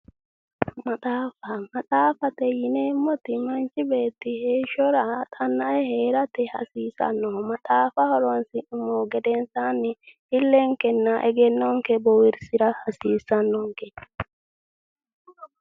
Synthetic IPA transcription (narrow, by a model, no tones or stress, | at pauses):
mɐtʼaːfɐmɐtʼaːfɐt̪ɛjɪnemːɔt̪ɪmɐnt͡ʃɪbe̞ːt̪ːɪheːʃːɔɾɐt̪ʼɐnːɐʔɛhe̞ːɾɐt̪ɛhɐ̰siːsɐ̰nːɔmɐt̪ʼaːfɐhɔɾɔnsɪʔɪmoɡɛd̪ɛnsaːnːɪhɪlːɛŋkɛnːaʔɛɡɛnːɔŋkɛbɔwɪɾsɪɾɐhɐsiːsːɐnːɔŋkɛ